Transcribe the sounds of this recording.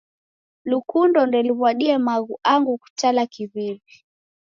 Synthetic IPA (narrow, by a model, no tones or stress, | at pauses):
lukundɔndɛliβwaɗiɛmaɣuaŋɡuku̥t͡ʃalakiðiβi